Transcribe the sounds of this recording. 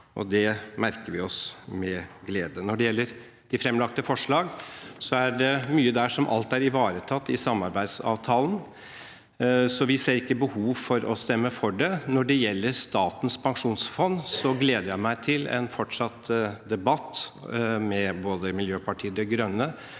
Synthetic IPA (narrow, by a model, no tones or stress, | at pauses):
ʔɔ̰d̪ɛmæɾkəɾʋɪɔsmɛɡleːd̪ənɔɖɛjɛlːəɾ | d̪̥ɪfɾɛmlɑk̚t̪əfɔʂɭɑːɡsɔæɖɛmyːəd̪æʂɔmʔɑ̰lt̪æɾɪʋɑːɾət̪ʰɑt̪ːɪsɑmːɑɾbæɪd̪sɑ̰ːʋt̪ʰɑːlən | sɔʋɪseːɾɪkːəbəhuːʋfɔɾɔst̪ɛmːəfɔɖɛnɔɖɛjɛlːəɾʂt̪ɑːt̪ən̩spʰɑŋʂuːnsfɔnːsɔɡleːd̪əjæɪmæɪt̪ʰɪlɛ̰nfɔʈʂɑt̪d̪ɛbɑt̪ː | mɛboːd̪əmɪljøːpɑʈʰiːəd̪ɛɡɾœnːə